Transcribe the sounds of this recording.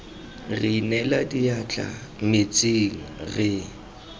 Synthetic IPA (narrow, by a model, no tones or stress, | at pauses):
rinɛladiat͡ɬʰʼa̰mɪt͡sʼiŋ̩rɪ